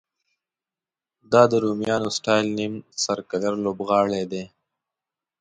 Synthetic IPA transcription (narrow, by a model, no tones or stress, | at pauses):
d̪ɑd̪əɾomjɑːnosʈɑjlnimsɐɾkaləɾloːbɣɑːɭed̪e